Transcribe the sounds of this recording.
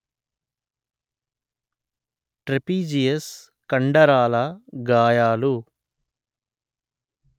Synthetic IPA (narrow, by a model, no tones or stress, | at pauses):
ʈɾepiːd͡ʒijes | kɐɳɖɐɾaːlɐɡaːjaːlu